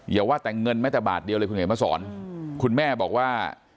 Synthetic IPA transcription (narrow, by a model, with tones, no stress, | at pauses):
ji˨˦waː˥˩t̪ɛː˨˩ŋɤ˧nmaː˥˩t̪ɛː˨˩ba̰ː˨˩t̪̚di˧wlə˧kʰu˧ŋa˨˦maː˥˩sɔː˩˦nkʰu˧nmɛː˥˩bɔː˨˩k̚waː˥˩